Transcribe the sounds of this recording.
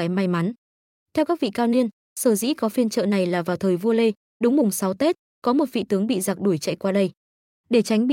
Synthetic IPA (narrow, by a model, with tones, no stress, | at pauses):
aː˨˦jma˧jma˨˦n | t̪ʰɛ˧wkaː˦˥k̚vḭ˧˨kaː˧wni˧ən | səː˧˩zḭ˧˥kɔ˨˦fi˧ənt͡ɕə̰ː˧˨na˨˩jlaː˨˩vaː˨˩wt̪ʰəː˨˩jvu˧əle˧ | ɗʊ˨˦ŋ͡mmʊ˨˩ŋ͡msa˨˦wt̪e˦˥t̚ | kɔ˨˦mo˨˩t̚vḭ˧˨t̪ɨ˨˦əŋɓḭ˧˨za˨˩k̚ɗu˧˩əjt͡ɕə̰˧˨jkwaː˧ɗə˧j | ɗe˧˩t͡ɕa˨˦jŋ̟i˧˨